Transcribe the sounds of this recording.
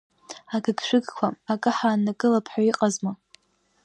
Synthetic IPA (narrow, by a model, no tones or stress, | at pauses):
aɡɨɡʃʷᶣɨɡkʷʰaakʼɨħaːnakʼɨlapʰħʷᶣaiqʼazma